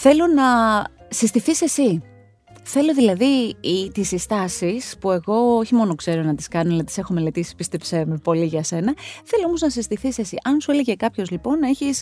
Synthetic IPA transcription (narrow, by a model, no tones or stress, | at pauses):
θe̞lo̞nɐsist̪iθise̞si | θe̞lo̞ðilɐðit̪isist̪ɐsispue̞ɣo̞oçimo̞no̞kse̞ɾo̞nɐt̪iskɐnonɐt̪i̥se̞xomelet̪isi̥spist̪epsemepo̞liʝɐse̞nɐθe̞loomo̞znɐsist̪iθisesiʔɐnsue̞le̞ʝe̞kɐpço̞zlipo̞ne̞çis